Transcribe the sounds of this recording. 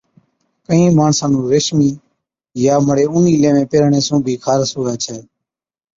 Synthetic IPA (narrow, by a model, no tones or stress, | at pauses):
kəĩːmaːɳsãːnũːɾeʃmiː | jaːməɽeːuːniːlẽːʋẽːpeːɾɳeːsũːbʱiːkʰaːɾsuːaːt͡ʃʰɛː